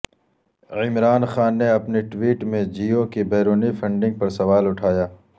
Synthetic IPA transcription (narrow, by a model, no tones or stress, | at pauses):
ɪmɾaːnxaːnːeɐpniʈwiːʈmẽd͡ʒiːokebɛːɾoːnifʰɐ̃ɳɖɪ̃ŋɡ̚pɐɾsɐʋaːlʊʈʰaːjaː